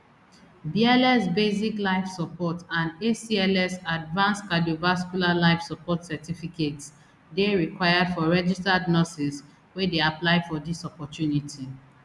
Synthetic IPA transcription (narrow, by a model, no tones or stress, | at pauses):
biɛlɛsbeziklaɪfsɔpɔtãnesiɛlɛsadvãnskadiovaskulalaɪfsɔpɔtsɛtifikets | deɹikwaɪadfɔɹɛd͡ʒistadnɔsis | wedeaplaɪfɔdisɔpɔtjunitʰi